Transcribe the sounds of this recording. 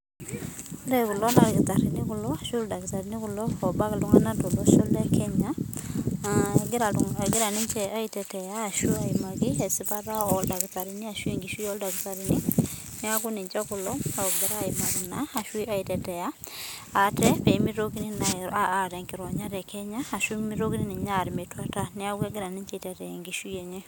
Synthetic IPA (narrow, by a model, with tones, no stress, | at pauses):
lɛku˨lɔ˦na˨ɾki˨ta˨ɾi˨ni˦ku˦lɔa˨ʃu˦lda˨ki˨ta˨ɾini˦ku˦lɔː˨ba˦ki˨lu˦ŋa˦nato˨lɔ˦so˦lɛ˦kʰɛɲa˦ | ɡaɡi˦ɾa˨ni˦ɲt͡ʃɛa˦i˦tɛ˨tɛ˨jaː˦˨ʃu˦a˨imaki˦ɛ˨sipa˦ɾa˦ɔ˨lda˨kita˨ɾini˦a˨ʃwi˦ŋɡi˨ʃu˦ɔ˦lda˨ki˨ta˨ɾi˦ni˦ | ni˦a˦ku˦ni˨ɲt͡ʃa˦ku˨lɔ˦a˨ɡɛ˦ɾa˦˨ima˨ki˨naa˨ʃwi˦a˦i˨tɛtɛ˨ja˦ | a˨tɛ˦pɛ˨imi˦ɾo˦ki˦ni˦naaː˨ɾɛ˨ŋki˨ɾɔ˨ɲa˦ɾɛ˨kʰɛ˦ɲaː˦˨ʃumi˦ɾo˦ki˦ni˦ni˨ɲa˦ɾi˨me˨twa˨ta˦ni˦a˦ɡɛ˦ɡɪ˦ɾa˨ni˦ɲt͡ʃɛ˦i˨tɛ˨tɛ˨ɛ˨ŋɡi˨ʃu˦e˨ɲɛ˦